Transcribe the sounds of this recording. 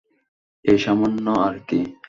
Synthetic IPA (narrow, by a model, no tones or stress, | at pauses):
eʃamonːoaɾk̪i